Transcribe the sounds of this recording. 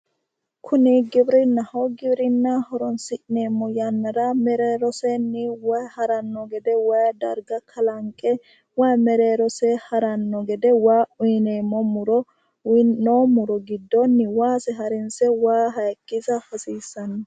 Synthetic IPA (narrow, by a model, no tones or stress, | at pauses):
kʰʊnɪɡɪbɾɪnːɐhɔɡɪbɾɪnːɐhɔɾɔnsɪʔneːmːɔjɐnːɐɾɐmɛɾeːɾɔsɛnːɪwɐjhɐɾɐnːɔɡɛd̪ɛwɐjd̪ɐɾɡɐkʰɐlɐŋkʼːɛ | wajmɛɾeːɾɔsɛhɐɾɐnːɔɡɛd̪ɛwaːʊjneːmːɔmʊɾɔ | noːmʊɾɔɡɪd̪ːɔnːɪwaːsɛɦɐɾɛnsɛwaːɦɐjkʼːɪzɐhɐsiːsːɐn